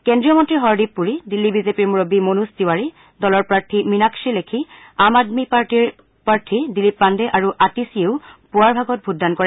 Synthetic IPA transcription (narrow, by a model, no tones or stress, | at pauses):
kɛndɹijɔmɔntɹiɦɔɹdipːuɹidilːibizepiɹmuɹobimonustiwaɹi | dɔlɔɹpɹaɹtʰiminakʃilekʰi | amadmipaɹtiɹ | paɹtʰidilipːandɛʔaɹuʔatisieʊpuaɹbʱaɡɔt̚bʱudʱːankɔɹɛ